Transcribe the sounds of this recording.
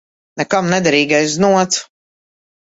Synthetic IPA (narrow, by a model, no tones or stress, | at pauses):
nɛkamnɛd̪ɛɾiːɡajzznuɔt̪s